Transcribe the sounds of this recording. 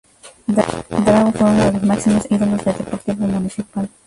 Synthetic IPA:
d̪ɾaɣofweunoðelozmaksimosiðolozðed̪epoɾt̪iβomunisipal

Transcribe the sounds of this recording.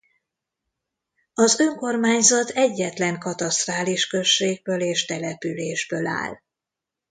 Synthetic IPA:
ɒzø̞ŋko̞rmaːɲzɒt̪ʰɛɟːɛt̪lɛŋkɒt̪ɒst̪raːliʃkø̞ʃːeːɡ̚bøːleːʃt̪ɛlɛpyleːʒbøːla̰ːl

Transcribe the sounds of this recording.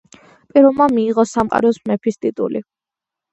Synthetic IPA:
pʼiɾɔlˠmamiːʁɔsamqʼa̰ɾɔsmɛpʰist̪ʼit̪ʼṵlḭ

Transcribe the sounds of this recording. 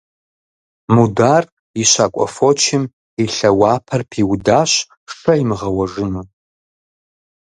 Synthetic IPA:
mudaːr | iɕaːkʷʼɔ̰fot͡ʃʰɪm | iɬɐwaːpʰɐrpʰiwdaːɕ | ʂɐimɨʁɐwɐʐɨnuː

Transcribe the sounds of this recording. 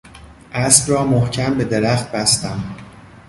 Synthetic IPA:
ʔæsbɾɒːmohcʰæmbe̞d̪e̞ɾæxt̪̚bæst̪æm

